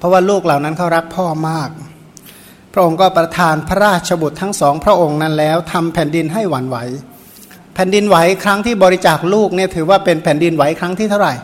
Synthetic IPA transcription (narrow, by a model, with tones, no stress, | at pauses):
pʰɾɔ˦˥waː˥˩luː˥˩k̚la˨˩wna˦˥nkʰa˦˥˩wɾa˦˥k̚pʰɔː˥˩maː˥˩k̚ | pʰɾa˦˥ʔo˧ŋkɔː˥˩pɾa˧t̪ʰaː˧npʰa˦˧ɾaː˥˩t̪̚t͡ɕʰa˧bu˨˩t̪ʰːa˦˥ŋsɔː˩˦ŋpʰɾa˦˥ʔo˧ŋna˦˥˩nlɛː˦˥wt̪ʰa˧mpʰɛː˨˩˦ndi˧nɦa˥˩jwa˩˦nwa˩˦j | pʰɛː˨˩˦ndi˧nwa˩˦jkʰɾa˦˥ŋt̪ʰiː˥˩bɔː˧ɾi˦˥t͡ɕaː˨˩k̚luː˥˩k̚ni˥˩ɐt̪ʰɯː˩˦waː˥˩pe˧npʰɛː˨˩˦ndi˧nwa˩˦jkʰɾa˦˥ŋt̪ʰiː˥˩t̪ʰa˥˩wɾa˨˩j